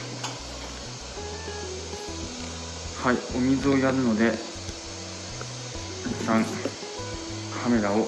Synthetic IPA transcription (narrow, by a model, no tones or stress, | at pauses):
haio̞mʲizɨo̞jaɾɯ̟no̞d̪e̞ | isãŋ | kʰame̞ɾao